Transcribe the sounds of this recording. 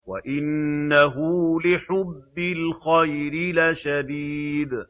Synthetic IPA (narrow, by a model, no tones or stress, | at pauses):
waʔɪnːaɦʊlɪħʊbːɪlxajɾɪlaːʃad̪iːd̪